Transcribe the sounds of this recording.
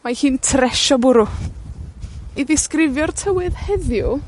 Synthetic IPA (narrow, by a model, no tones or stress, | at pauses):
mahɨːntʰrɛʃɔbʊɾʊ | iðɪskrɪvjɔrtʰəwɨðhɛðjʊ